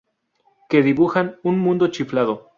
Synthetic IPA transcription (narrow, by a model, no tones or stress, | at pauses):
ke̞ðiβuxanunmũnd̪ot͡ʃiflaðo